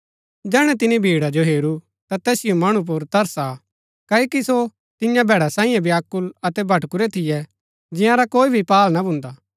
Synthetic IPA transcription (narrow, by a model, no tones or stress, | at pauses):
d͡ʒɛːɽ̃ɛt̪̬ɪnibʱiːɽad͡ʒoɦeːɾu | t̪at̪ɛːsɪjomɐɽ̃up̬ʊɾt̪ɐɾsa | kaːokiso | t̪ɪjãbʱɛːɽasãːĩjãbʱiaːkːʊlɐt̪ɛbʱɐʈkʊɾɛt̪ʰɪjɛ | d͡ʒɪ̃jãɾakoːibʱipaːlnabʱʊ̃nd̪aː